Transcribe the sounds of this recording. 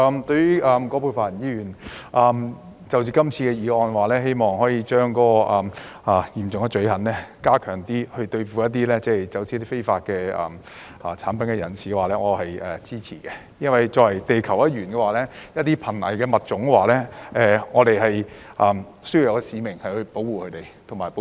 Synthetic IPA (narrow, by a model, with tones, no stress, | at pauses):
a˧mt̪ɵ˧˥ɥjy˥ʔɐː˨mkɔː˨˥pʰuː˧jfa˨˩˨njiː˨˧jyː˨˩nʔaː˨˧m | t͡sɐ˨wt͡siː˧˥kɐ˥mt͡sʰiː˧kɛ˧jiː˨˧ɔː˧nwaː˨˩lɛː˥ɦe˥jmɔː˨˩ŋhɔː˨˥jiː˧t͡ʃœː˥ŋkɔː˨˥ɔ˧ʔɐː˨˩maː˨jiː˨˩mt͡sʊ˨ŋkɛ˧t͡ʃɵ˨˥ɥhɐ˨˥nlɛː˥kaː˥kʰœː˨˩ŋt̪iː˥hɵ˧ɥt̪ɵ˧ɥfuː˨˧jɐ˥t̚t̪iː˥lɛː˥t͡sɛː˥jt͡sɐ˨˥wt͡siː˨˧˦ɐt̪iː˥fe˥jfaː˧t̚kɛː˧ʔɐ̰ː˨˩m | ʔɐː˨˩t͡sʰaː˨˥npɐ˨˥nkɛ˧jɐ̰˨˩nsiː˨kɛ˧waː˨lɛː˥ŋɔː˨˧hɐ˨jɛː˨˩t͡siː˥t͡sʰiː˨˩kɛ˧ | jɐ˥nwɐ˨jt͡sɔː˧ɐ˨˩jt̪e˨jkʰɐ˨˩wɐ˦˥t̚ɥyː˨˩nkɛː˧waː˨lɛː˥jɐ˥t̚t̪iː˥pʰɐ˨˩nɐ̰˨˩jkɛː˧mɐ˨t̚t͡sʊ˨˥ŋ˧waː˨˩lɛː˥ɛː˨˩ŋɔː˨˧t̪e˨jɦɐ˨jʔɐː˨m | sɵ˥ju˧jɐ˨˧wkɛ˧siː˨˧mɪ˨˩ŋhɐ˨jhɵ˧ɥpo˨˥wwuː˨kʰɵ˧t̪e˨˩jt̪ʰʊ˨˩ŋmaː˨˩jp